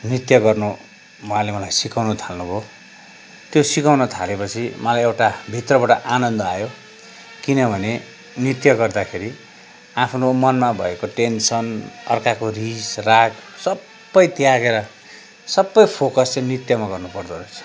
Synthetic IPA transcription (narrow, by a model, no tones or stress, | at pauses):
nit̪jʌɡʌrnu | walemʌlajsikawnʌt̪ʰalnubʱo | t̪josikawnʌt̪ʰalepʌt͡sʰimʌlajewʈabʱit̪rʌbaʈaʔanʌnd̪ʌajo | kinʌbʱʌne | nit̪jʌɡʌrd̪akʰeɾi | apʰnomʌnmabʱʌ̰ekoʈensʌnʌ̰rkakorisraksʌbːʌjt̪jaɡeɾʌ | sʌbːʌjpʰokʌst͡sʌ̃j̃nit̪jʌmaɡʌrnupʌrd̪oɾot͡sʰ